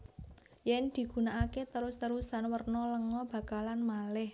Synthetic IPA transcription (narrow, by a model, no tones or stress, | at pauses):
jɛnd̪̥i̤ɡ̥ṳnaʔaket̪əɾʊst̪əɾusanwərnɔləŋɔb̥a̤kalanmalɪh